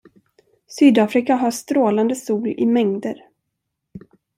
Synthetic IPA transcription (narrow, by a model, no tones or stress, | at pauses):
syːd̪aːfɾɪkaɦast̪ɾoːland̪əsuːlɪmɛŋd̪əɾ